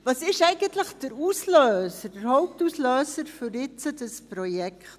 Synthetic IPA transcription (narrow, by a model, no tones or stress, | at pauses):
vɑsɪʃɛɪɡəntləχd̥əɾusløːsəɾdəɾhɔʊp̚tusløːsəɾfyɾɪt͡sədəsprojɛkt